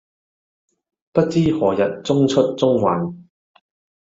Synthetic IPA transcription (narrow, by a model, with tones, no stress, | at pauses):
pɐ˥t̚t͡siː˥hɔː˨˩jɐ˨t̚t͡sʊ˥ŋt͡ʃʰɵ˥t̚t͡sʊ˥ŋwa̰ː˨˧n